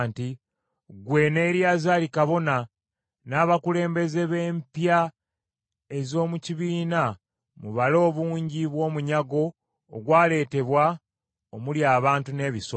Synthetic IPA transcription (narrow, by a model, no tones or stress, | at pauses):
nti | ɡwe̞ːne̞ːɾjaːzaːlikaβo̞na | naːβakule̞ːmbe̞ze̞βe̞ːmpja | e̞zo̞ːmuciβiːna | muβalo̞ːβuːɲɟiβwo̞ːmuɲaɡo̞ː | ɡwaːle̞ːte̞βwa | omuljaːβaːntune̞ːβiso